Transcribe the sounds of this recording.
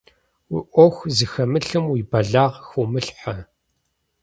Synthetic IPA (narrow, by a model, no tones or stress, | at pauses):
wḭʔʷɔxʷzɨxɐmɨɬɨmwiːbɐɮaːʁxumɨɬħɐ